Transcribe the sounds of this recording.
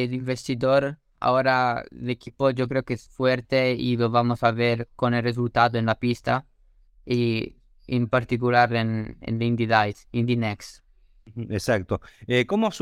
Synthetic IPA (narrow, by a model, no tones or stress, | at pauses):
liɱvest̪id̪oɾ | a̰oɾalekʰipod͡ʒok̬ɾeokeɛsfwɛɾt̪eḭlovamosaveɾkonelrezult̪ad̪oenlapist̪a | e | impaɾt̪ikulaɾenḛnlind̪id̪ajsind̪inɛks | esakt̪oekomoas